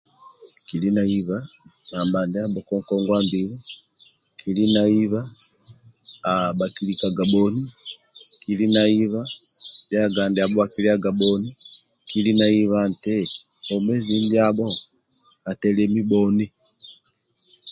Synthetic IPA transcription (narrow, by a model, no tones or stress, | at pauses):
kilinaiβanambandɛaɓɔkɔŋkɔŋɡwambili | kʰilinaiβa | bakilikaɡabɔni | kilinaiβajaɡandɛabɔakiliaɡabɔni | kilinaiβantɛ | ɔmɛziɲd͡ʒiabɔ | atɛlɛmibɔni